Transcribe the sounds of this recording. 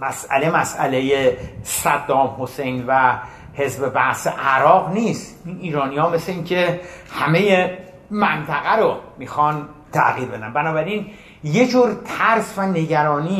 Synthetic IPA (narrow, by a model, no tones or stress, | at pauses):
mæsʔæ̰le̞mæsæ̰le̞jesæd̪ːɒːmho̞se̞jnvæ | he̞zbe̞bæhsḛʔæɾɒːɣniːst̪iniːɾɒːnijɒːme̞sleiŋkcʰe̞hæme̞je | mænt̪ʰæɣæɾomixɒnt̪ʰæ̰ʔɣiːɾbe̞d̪ænbænɒːbæɾin | je̞d͡ʒuːɾt̪ʰæɾsvæne̞ɟæɾɒːniː